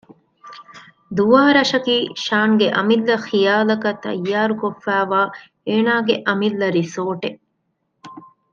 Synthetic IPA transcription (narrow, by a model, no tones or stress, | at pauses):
d̪uʋaːɾɐʃɐkiːʃaːŋɡeʔɐmilːɐxijaːlɐkɐt̪ːɐ̰jːaːɾukofːæːʋaː | eːnaːɡeʔɐmilːɐɾisoːʈe